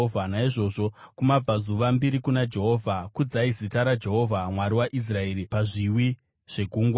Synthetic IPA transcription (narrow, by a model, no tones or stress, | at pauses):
vʱanaiʐo̞ʐo̞kumab͡vazuʋambiɾikunad͡ʒe̞ɦo̞ːvʱakud͡zaizitaɾad͡ʒe̞ɦo̞vʱamwaɾiwaʔis̬rae̞ɾipaʐiwi | ʐ̥e̞ɡʱuːŋɡwa